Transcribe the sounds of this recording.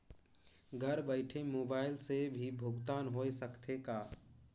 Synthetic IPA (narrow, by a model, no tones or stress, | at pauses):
ɡʱəɾbəɪʈʰemoːbaːɪlsebʱibʱʊɡt̪aːnɦoːesəkt̪ʰekaː